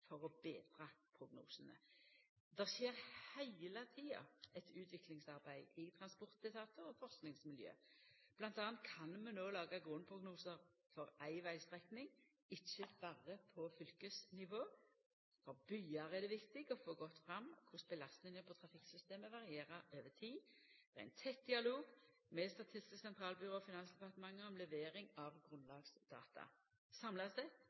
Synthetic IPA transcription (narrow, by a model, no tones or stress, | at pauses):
fɔʁɔbeːd̪ʁɑpʰɾʊɡnṵːsənə̰ | d̪ɛʁsjeːʁhæɪlət̪ʰiːɑ̰ɛt̪ʉːt̪ʰʋɪklɪŋsɑʁbæɪɪt̪ʰʁɑnspɔʁt̪̚d̪ɪt̪ʰɑːt̪ʰəɔfɔʁsknɪŋsmɪljø̰ːb̥lɑnt̪ɑːnt̪̚kʰɑnmɛnoːlɑːɡɑɡʁʊnpʰʁʊɡnuːsəʁfɔɾæɪʋæɪst̪ʁɛknɪŋ | ɪçːəb̥ɑʁəpʰɔfʏlkəsnɪʋoː | fɔbyːɑʁæd̪ɛʋɪkt̪ɪɡɔfoːɡɔt̪ːfʁɑmːkʰʊsbəlɑst̪nɪŋəpʰɔt̪ʰɾɑfɪksʏst̪eːməʋɑʁɪeːʁəɾøːʋət̪ʰiːd̪̥ɛʁæ̰ɪnt̪ʰɛt̪̚d̪ɪɑloːɡ | mɛst̪ɑt̪ʰɪst̪ɪsksɛnt̪ʰʁɑːlbʏʁoːɔfɪnɑnsd̪ɛpɑʁt̪əmɑŋːəɔmlɛʋeːʁɪŋɑʋɡʁʉnlɑːɡsd̪̥ɑ̰ːt̪ʰɑ̰ | sɑmlɑst̪ɛt̪